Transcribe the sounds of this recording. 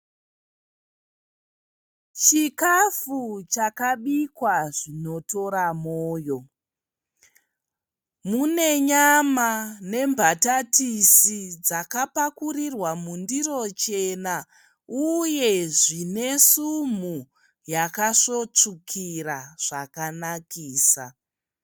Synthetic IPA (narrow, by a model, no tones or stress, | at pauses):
t͡ʃikafut͡ʃakaɓikwaʐino̞to̞ɾamoːjo̞ | mune̞ɲamane̞mbʱatatisid͡zakapakurirwamundiro̞t͡ʃe̞na | uje̞ʐine̞sum̤u | jakaʂo̞t͡ʂukʰiraʐ̥akanakiːsa̰